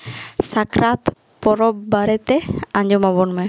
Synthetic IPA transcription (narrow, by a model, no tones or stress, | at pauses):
sakɾat̪ | pɔɾɔbbaɾɛt̪ɛãɲd͡ʒɔmabɔnmɛ